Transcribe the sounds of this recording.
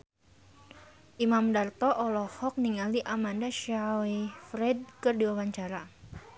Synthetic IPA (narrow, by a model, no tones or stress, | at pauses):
ʔimamdart̪ɔʔɔlɔhɔk̚niŋaliʔamandaʃawefɾɛd̚kɨrdiwawaɲt͡ʃaɾa